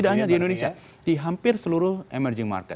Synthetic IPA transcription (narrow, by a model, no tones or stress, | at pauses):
idaʔ̚ɦaɲadiɛndonesia | d̥iɦampɪrsəluɾʊhemɛrd͡ʒɪŋma̰rkɛt̪